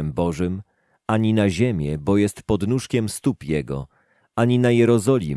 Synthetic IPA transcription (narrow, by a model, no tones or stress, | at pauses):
ɛmbɔʐɘm | aɲinaʑemʲjɛbɔjɛst̪pɔd̪nuʂkʲɛmst̪upjɛɡɔ̰ | aɲinajɛɾɔzɔlʲḭ